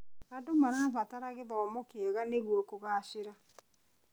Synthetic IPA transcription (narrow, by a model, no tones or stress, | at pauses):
adomaɾaːβataɾaɣeðɔːmokeɛɣaneɣwɔkoɣaːʃɪɾa